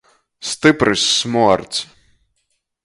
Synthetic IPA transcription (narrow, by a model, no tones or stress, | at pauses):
st̪ɨpɾɨsʲːmuɔɾt̪s